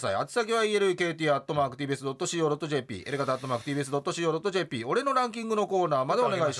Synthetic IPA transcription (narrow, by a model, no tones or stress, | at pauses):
saiat͡ɕe̥sak̬ʲeβaieɾɯ̟ke̞ːt̪ʲiːat̪ːo̞maːkɯ̟t̪ʲibɯes̬ɨd̪o̞t̪ːo̞ɕiːo̞ːd̪o̞t̪ːo̞ʑe̞ːpʲḭːʔeɾɯɡat̪aːt̪ːo̞maːkɯ̟t̪iːbɯe̞sɨd̪o̞t̪ːoɕiːo̞ːd̪o̞t̪ːo̞ʑe̞ːpʲiːo̞ɾe̞no̞ɾãŋkʲĩŋɡɯ̟no̞ko̞ːnaːmad̪eone̞ɡaiɕi